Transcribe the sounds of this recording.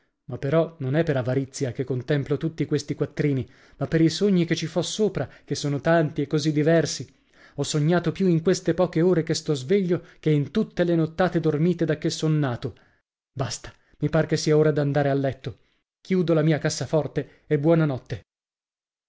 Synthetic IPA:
mapːeɾɔnonɛpːeɾavaɾit̪sːjakekːont̪ɛmplot̪ut̪ːikwest̪ikwat̪ːɾiːni | mapːeɾisoɲːiket͡ʃːifɔsːoːpɾakesːoːnot̪ant̪iekːozid̪ːivɛrsi | ɔsːoɲːaːt̪opjuiŋkwest̪epɔːkeoːɾekest̪ɔzveʎːokeint̪ut̪ːelenot̪ːaːt̪ed̪ormiːt̪ed̪akːesːonːaːt̪o | bast̪ḁ | mipaːɾekesːiːaoːɾad̪and̪aːɾealːɛt̪ːo | kjuːd̪olamiːakasːafɔrt̪e | ebːwɔːnanɔt̪ːe

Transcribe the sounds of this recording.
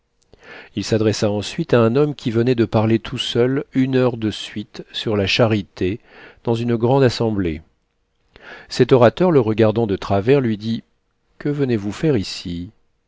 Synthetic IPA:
ilsad̪ʁɛsaɑ̃sɥit̪aɛ̃nɔmkʲʰivənɛd̪əpaʁlet̪ʰusœlynœʁd̪əsɥit̪syʁlaʃaʁit̪e | d̪̥ɑ̃zynɡʁɑ̃d̪asɑ̃ble | sɛt̪ɔʁat̪œʁləʁəɡaʁd̪ɑ̃d̪ət̪χavɛʁlɥid̪i | kəvənevufɛʁisi

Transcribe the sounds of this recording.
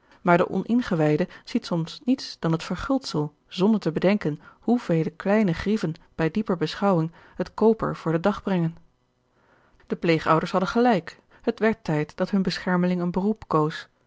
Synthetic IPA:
maːɹdəʔɔ̰nʔɪnχəʋɛjdəz̥itsɔmsnitsd̥ɑnɦətfəɹχɪlˠtsəlˠ | zɔndəɹtəbədɛŋkənhuvejləklɛjnəχrivənb̥ɛjdipəɹbəsχɑwɪŋ | ɦətkowpə̰ɹv̥ʊːɹdədɑχbrɛŋən | d̥əplejχʌwdəɹsɦɑdənχəlɛjk | ɦətʋɛɹtɛjtd̥ɑtɦɵnbəsχɛɹməlɪŋənbərupkows

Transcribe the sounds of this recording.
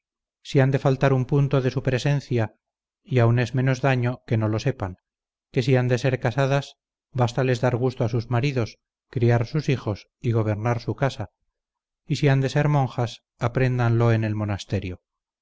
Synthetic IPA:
siand̪e̞falt̪aɾumpunt̪o̞ðe̞supɾe̞se̞n̟θja | iaune̞zmẽ̞no̞zðaɲo̞ke̞no̞lo̞se̞paŋ | ke̞siand̪e̞se̞ɾkasaðas | bast̪ale̞zðaɾɣ̞ust̪oasuzmaɾiðo̞s | kɾiaɾsusixo̞s | iɣo̞β̞e̞ɾnaɾsukasa | isiand̪e̞se̞ɾmõ̞ŋxas | apɾe̞nd̪anlo̞e̞ne̞lmo̞nast̪e̞ɾjo

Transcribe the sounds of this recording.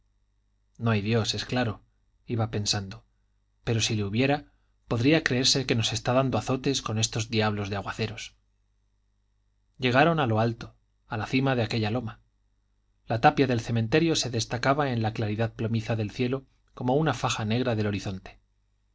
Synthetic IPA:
no̞ajðjo̞sesklaɾo̞ | iβape̞nsand̪o̞ | pe̞ɾo̞sileuβje̞ɾa | po̞ðɾiakɾe̞eɾse̞ke̞no̞se̞st̪aðand̪oaθo̞t̪e̞sko̞ne̞st̪o̞zdiaβlo̞zðeaɣwaθe̞ɾos | ɟ͡ʝe̞ɣ̞aɾo̞nalo̞alt̪o̞̥ | alaθimaðe̞ake̞ʎalo̞ma | lat̪apjaðe̞lθe̞ment̪e̞ɾjo̞se̞ðe̞st̪akaβae̞nlaklaɾiðaðplomiθaðe̞lθje̞lo̞ | ko̞mo̞unafaxane̞ɣ̞ɾaðe̞lo̞ɾiθo̞nt̪e̥

